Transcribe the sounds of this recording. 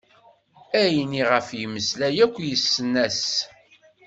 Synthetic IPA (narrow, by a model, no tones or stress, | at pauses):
æjniʁəfjəmːəslæjækʷːjəsːənːæs